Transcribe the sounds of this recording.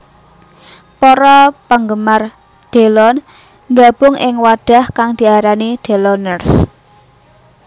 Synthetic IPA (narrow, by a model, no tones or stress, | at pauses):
pɔɾɔpəŋɡəmar | ɖ̪̥e̤lɔn | ŋɡab̥ʊŋʔɪŋwaɖ̥a̤hkaŋd̪̥i̤aɾaniɖ̥e̤lɔnərs